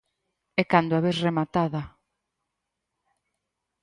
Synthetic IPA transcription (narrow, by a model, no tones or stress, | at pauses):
ɛkand̪ʊaβeθremat̪aða